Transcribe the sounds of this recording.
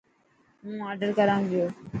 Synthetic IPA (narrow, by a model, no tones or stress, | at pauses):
ɦũːaːɾɖəɾkəɾãːŋʋijoː